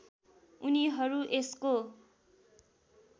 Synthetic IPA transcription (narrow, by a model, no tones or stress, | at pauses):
uniɦʌɾuʔesko